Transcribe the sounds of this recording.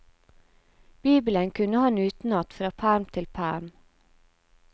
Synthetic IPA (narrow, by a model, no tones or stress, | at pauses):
b̥iːbələŋkʰʉnəhɑnʉːt̪n̩ɑt̪fɾɑːpʰæːɾmt̪ʰɪlpʰæ̰ːɾm